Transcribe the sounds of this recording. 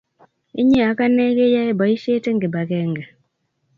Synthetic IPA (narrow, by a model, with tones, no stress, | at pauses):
ḭ˦ɲe˦a˨˦ka˦ne˦ɡe˦ja˦e˦ba˨i˦ʃe˦te˦ŋɡe˨ba˨kɛ˦ŋɡɛ˨